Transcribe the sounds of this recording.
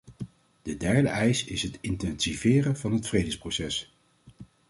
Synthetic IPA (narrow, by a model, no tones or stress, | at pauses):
d̥ədɛɹdəʔɛjsɪsɦətɪntɛnsivɪːrəvɑnɦətfrejdəsprowsɛs